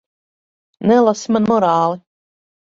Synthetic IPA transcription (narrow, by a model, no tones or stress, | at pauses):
nɛlˠasimanmɔɾaːlˠi